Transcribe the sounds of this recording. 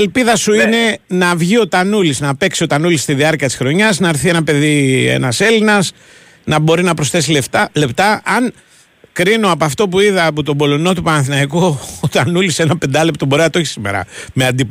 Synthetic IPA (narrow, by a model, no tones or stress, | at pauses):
elpiðɐsuine̞nɐvʝio̞t̪ɐnuliznɐpe̞ksio̞t̪ɐnulist̪iðiɐɾciɐt̪i̥sxɾo̞ɲɐznɐːɾθie̞nɐpe̞ðiḛnɐse̞linɐs | nɐbo̞ɾinɐpɾo̞sθe̞s̬ile̞ft̪ɐle̞pt̪ɐʔɐn | kɾino̞ɐpoɐft̪o̞p̬uiðɐpot̪o̞bo̞lo̞not̪upɐnɐθinɐikut̪ɐnulise̞nɐpe̞nd̪ɐlept̪oboɾeɐt̪o̞çi̥sime̞̰ɾɐ̰meɐnd̪ip